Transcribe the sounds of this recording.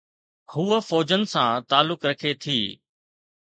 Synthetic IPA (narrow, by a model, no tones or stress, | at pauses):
huːəfɔːd͡ʑənɪ̆sãːt̪aːlːʊkɾɐkʰet̪ʰiː